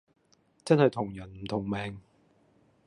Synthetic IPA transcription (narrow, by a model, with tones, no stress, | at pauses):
t͡sɐ˥nhɐ˨jt̪ʰʊ˨˩ŋjɐ˨˩nm̩˨˩t̪ʰʊ˨˩ŋmɛː˨ŋ